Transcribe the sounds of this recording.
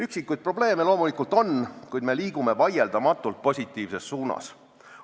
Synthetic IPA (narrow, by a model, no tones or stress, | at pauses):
yksikːˑujd̪̚pro̞ble̞ːmelo̞ːmulikˑult̪ˑo̞nkujd̪̚me̞liːɡ̥umevɑje̞ld̪̥ɑmɑt̪ːˑult̪̚po̞sʲit̪ːˑiːvse̞sːuːnɑ̰s